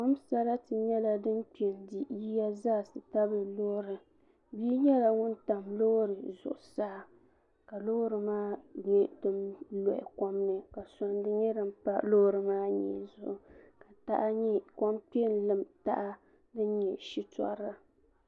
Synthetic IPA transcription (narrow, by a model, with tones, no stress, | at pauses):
kɔ˦msa˦ɾa˦tɨ˨ɲɛ˦la˨dɨ˦nk͡pe˨ndi˨ji˦ja˦zaː˦˨sɨ˨ta˦bɨ˨lo˦hɾɨ˨ | biː˦ɲɛ˦la˨ŋʊ˦nta˨mlo˦ɾɨ˨zʊ̰˨ʔʊ˨saː˦˨ | ka˨lo˦hɾɨ˨maː˦ɲɛ˦dɨ˦mlɔ˨ʔɪ̰˨kɔ˦mnɨ˨ka˨sɔ˨ndɨ˦ɲɛ˦dɨ˦m˦pa˦lo˦ɾɨ˨maː˦ɲɛ̰˨zʊ̰˨ʔʊ˨ka˨ta̰˦ʔa˦ɲɛ˦kɔ˦mk͡pe˦n˨lɨ˦mta̰˦ʔa˦ | dɨ˦n˦ɲɛ˨ʃi˦tɔ̰˦ɾa˨